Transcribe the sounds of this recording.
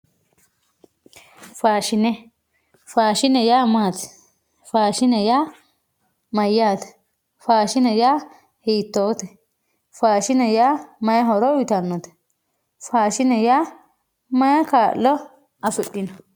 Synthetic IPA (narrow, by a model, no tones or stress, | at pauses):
faːʃɪnɛ | faːʃɪnɛjaːmaːt̪ɛ̥ | faːʃɪnɛjaː | mɐjːaːt̪ɛ̥ | faːʃɪnɛjaː | hiːt̪ːoːt̪ɛ | faːʃɪnɛjaːmɐjɦɔɾɔwɪt̪ɐnːɔt̪ɛ̥ | faːʃɪnɛjaː | mɐjkaːʔlːɔ | ɐfɪɗːɪnɔ